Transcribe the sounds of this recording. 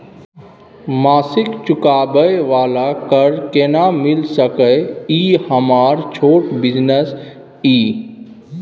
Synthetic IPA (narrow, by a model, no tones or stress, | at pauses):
maːsɪkt͡ʃʊkaːbəjʋaːlakəɾkenamɪlsəkəiːhəmaːɾt͡ʃʰoːʈbɪd͡ʒnəs | iː